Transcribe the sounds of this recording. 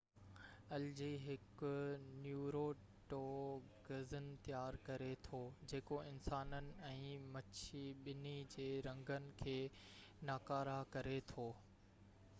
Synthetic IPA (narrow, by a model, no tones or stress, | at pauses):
ɐld͡ʑiːɦɪkʊnjuːɾoː | ʈoː | ɡɐzɪnɪ̆t̪jaːɾkɐɾet̪ʰoːd͡ʑeːkoɪnsaːnənɪ̆ɛ̃ːmɐt͡ɕʰiɓɪnid͡ʑeːɾɐ̃ŋɡənɪ̆kʰeː | naːkaːɾakɐɾet̪ʰoː